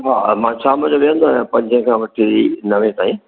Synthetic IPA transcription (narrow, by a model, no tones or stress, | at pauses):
ɦaːmãːt͡ɕʰaːməd͡ʑoʋiə̃nd̪oaːjãpɐ̃ɲd͡ʑʱə̃kʰãːʋɐʈʰiinɐʋẽt̪aːĩ